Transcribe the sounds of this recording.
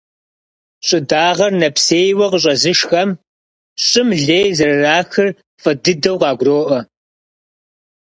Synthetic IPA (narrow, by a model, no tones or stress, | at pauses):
ɕʼɪdaːʁɐrnɐpʰseːjwɐqəɕ̬ʼɐzɨʃxɐm | ɕʼɪmɮeːjzɐrɨraːxɨr | fʼɨdɨdɐwqɑːɡʷroːʔɐ